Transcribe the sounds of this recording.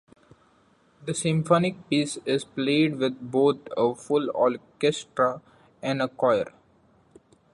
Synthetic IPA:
d̪əsɪ̃mfɔːnɪk̚piːsɪzpleːɖʋɪd̪̚boːt̪ʰəfʊlɔ̰ːɾkɛsʈɾa | ɛ̃ɳɖəkɔɪə̰ɾ

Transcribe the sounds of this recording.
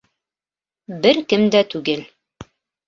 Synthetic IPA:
bɘɾkɘmd̪æt̪ʉɡɘl

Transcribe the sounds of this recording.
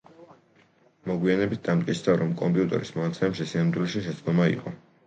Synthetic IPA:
mɔɡwianɛbit̪̚ʰd̪amt̪̚ʼkʼit̪sʰd̪aɾɔmkʼɔmpʼiut̪ʼɛ̰ɾismɔnat̪sʰɛmɛpʃisinamd̪ulɛʃiʃɛt̪sʼd̪ɔmaḭqʼɔ

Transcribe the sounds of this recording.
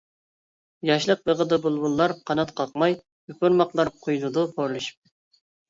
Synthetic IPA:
jɑʃlˠəq̚bəʁəd̪ɨbulˠbulˠːɑɾqʰɑnɑt̪qʰɑq̚mɑj | ypuɾmɑqlˠɑɾqʰojnɨd̪upʰoɾlˠɨʃi̥p̚

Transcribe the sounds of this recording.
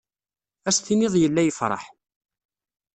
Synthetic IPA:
æst̪inɪðˤjəlːæjəfɾˤɑ̰ħ

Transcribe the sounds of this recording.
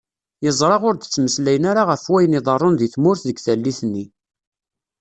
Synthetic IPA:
jəzˤɾˤɑʁʊɾd̪ət͡sːməslæjənaɾaʁəfwæjniðˤɑrˤːonðiθmʊɾθðəɡθælːiθənːi

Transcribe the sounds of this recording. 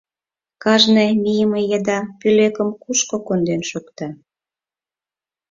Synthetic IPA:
kɑʒnejmijəmejəd̪ɑpylekəmkuʃkokond̪enʃukt̪ɑ

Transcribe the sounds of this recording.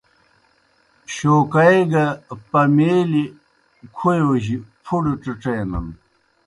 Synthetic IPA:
ɕoːkɐjɡɐpɐmeːli | kʰujwɐʑipʰuɽiʈ͡ʂiʈ͡ʂejnɐ̰n

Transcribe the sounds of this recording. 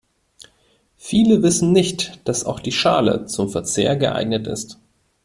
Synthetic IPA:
fiːləvɪsn̩nɪçtd̥asa̰ʊxd̥iːʃaːlə̰t͡sʊmfɛɐt͡seːɐɡəʔa̰ɪɡnətɪ̰st

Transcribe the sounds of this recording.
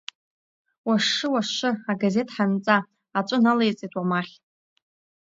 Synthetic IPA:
waʂɨwaʂɨaɡaze̞tʼħant͡sʼaː | t͡ʃʷʼʊnalejt͡sʼetʰwamaχʲ

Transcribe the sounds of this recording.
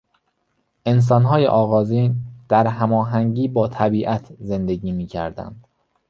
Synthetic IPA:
ʔe̞ns̬ɒːnɦɒːjḛʔɒːɣɒːziːnd̪̥æɾɦæmɒːɦæŋɟiːbɒːt̪ʰæbiːʔæt̪ʰze̞nd̪eɟiːmiːcʰæ̰ɾd̪æ̰nd̪̥

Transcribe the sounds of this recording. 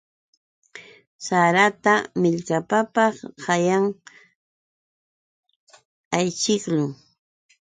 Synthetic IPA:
saɾat̪amɪʎkapapɑχhajaŋ | ajt͡ʃɪklʊ

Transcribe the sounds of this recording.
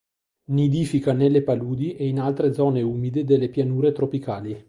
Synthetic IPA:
nid̪iːfikanelːepaluːd̪iʔeinalt̪ɾed̪zɔːneuːmid̪ed̪elːepjanuːɾet̪ɾopikaːli

